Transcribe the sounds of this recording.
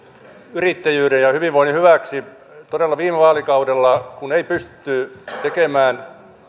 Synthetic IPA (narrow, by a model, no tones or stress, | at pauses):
yrit̪ːæjyːɾejjɑhyʋiʋʋoinhyʋæksi | t̪odelːɑʋiːmeʋɑːlikɑudelːɑkuneipyst̪ːˑyt̪ekemæːn